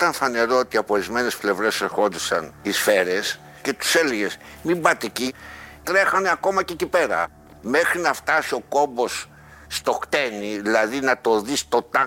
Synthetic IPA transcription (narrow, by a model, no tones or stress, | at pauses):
it̪ɐnθɐne̞ɾo̞ot̪iɐpoɾizme̞ne̞sple̞vɾe̞seɾxo̞nd̪isɐnisfe̞ɾe̞s | ce̞t̪u̥se̞leʝe̞smimbɐt̪icit̪ɾe̞xɐne̞ɐko̞mɐcecipe̞ɾɐ̰ | me̞xɾinɐft̪ɐsio̞ko̞mbo̞sː | t̪o̞kt̪e̞niðilɐðinɐt̪o̞ðist̪o̞t̪ɐ